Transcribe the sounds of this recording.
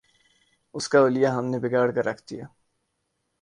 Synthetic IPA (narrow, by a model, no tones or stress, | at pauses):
ʊskaʊlijaɦɐmnebɪɡaːɽkaɾɐkʰd̪ija̰ː